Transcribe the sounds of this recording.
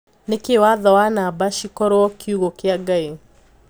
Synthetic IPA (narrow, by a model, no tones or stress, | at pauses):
nekewaðɔwanabaʃikɔɾwɔkiuɣokeaɡae